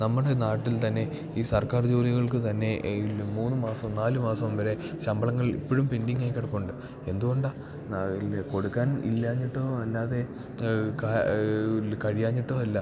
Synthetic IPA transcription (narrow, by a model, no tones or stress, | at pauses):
nɐmːuɽe̞naːʈːilt̪ɐnːe̞ | iːsɐrkaːrd͡ʑoːliɣɐɭkɨt̪ɐnːe̞ilmuːnːɨmaːsɐmnaːlumaːsɐmʋɐɾe̞ | ɕɐmbɐɭɐŋːɐɭḭpːoɻumpindiŋːaːjkːɐɽɐkːuuɳɖɨ | e̞nd̪uɣo̞ɳɖa | ko̞ɽukːaːnḭlːaːɲːiʈːo̞ːɐlːaːðe̞ | ka | kɐɻijaːɲːiʈːo̞ːɐlːɐ